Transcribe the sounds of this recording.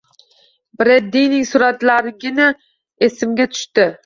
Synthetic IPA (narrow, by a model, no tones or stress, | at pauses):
bɾed̪ːijnɪŋsʊɾat̪laɾɪɡʲɪna | esɪmɡʲat̪ʰʊ̥ʃt̪ɪ